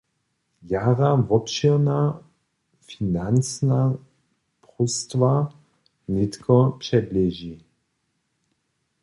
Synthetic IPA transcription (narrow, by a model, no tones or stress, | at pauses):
jaʁavɔpʃina | finant͡sna | pʁust̪va | nɪtkʰɔpʂɛblɛʒi